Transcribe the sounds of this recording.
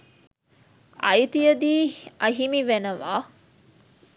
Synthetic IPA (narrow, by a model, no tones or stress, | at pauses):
ʔɐjt̪ijɐd̪iːɐɦimiʋenɐʋaː